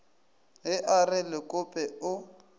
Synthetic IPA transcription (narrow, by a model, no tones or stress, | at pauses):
ɦɪʔarɪlɪkʼʊpʼɛʊ